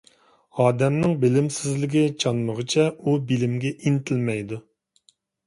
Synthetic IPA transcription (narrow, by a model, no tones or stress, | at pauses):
ɑːd̪ɛmnɪŋbɪlɪmsɪzlɪɡʲɪt͡ʃʰɑnməʁət͡ʃʰɛubilɪmɡʲɛʔint̪ʰɪlmɛjd̪u